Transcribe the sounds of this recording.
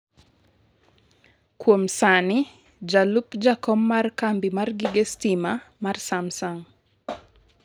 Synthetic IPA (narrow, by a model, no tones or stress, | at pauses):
kwomsani | d͡ʒalupd͡ʒakɔmːarkambimarɡɪɡestimamarsamsaŋ